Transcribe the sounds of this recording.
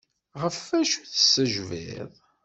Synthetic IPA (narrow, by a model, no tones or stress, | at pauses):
ʁəfæʃuθə̥sːəʒvḭðˤ